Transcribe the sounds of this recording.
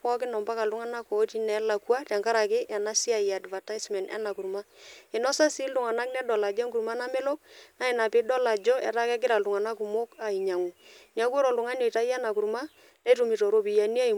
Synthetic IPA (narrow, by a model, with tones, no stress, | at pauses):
pɔ˦kɪ˦nɔ˨mba˦ka˨ldʊ˦ŋa˦na˦ko˨˦ti˦nɛ˨˦la˨kwa˦ta˨ŋka˦ɾa˨kɪ˦ʔɛ˨na˦si˦a˨ja˨dva˨ta˦smɛ˨nɛ̰˦na˨ku˨ɾma˦ɪ˨nɔ˦sa˦si˦ldu˨ŋa˨na˦knɛ˦dɔ˨la˨d͡ʒɛ˦ŋku˨ɾma˦na˦mɛ˦lo˦k̚na˨˦ɪ˨na˨pɪ˨˦dɔ˦la˨d͡ʒɔ˦ʔɛ˨ta˦kɛ˦k̬ɪ˦ɾa˨ldu˨ŋa˨na˦ku˨mo˦ka˨i˨ɲa˨ŋu˨ɲa˨˦ku˦ɔ˦ɾɔ˨ldʊ˨ŋa˦ne˨ta˦ja˦na˨ku˨ɾma˦ | nɛ˦tu˨mi˨to˨ɾo˦pi˨ja˨ni˦a˦i˨